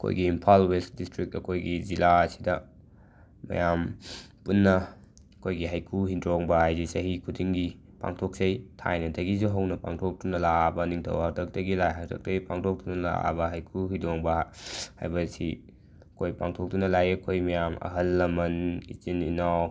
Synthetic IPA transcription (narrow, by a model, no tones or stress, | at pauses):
ɐkʰo̰jɡiːmpʰalwestdistɾik̚tɐkʰojɡizilaɐsi̥dɐ | mɐ̰jampunːɐ | ɐkʰojɡiɦajkʰuɦindɾoŋbɐhajzisɐɦikʰudiŋɡi | pa̰ŋtʰok̚sejtʰa̰jnɐdɐɡizuɦɐwnɐpa̰ŋtʰok̚tunɐlabɐniŋtʰɐ̰wɦak̚tʰɐk̚tɐɡilajɦak̚tʰɐk̚tɐɡipaŋtʰok̚tunɐla̰bɐɦajkʰuɦidoŋbɐha̰jbɐsḭ | ɐkʰojpaŋtʰok̚tunɐlajɐkʰojmɐjamɐ̰ɦɐlːɐmɐnḭt͡ʃininaw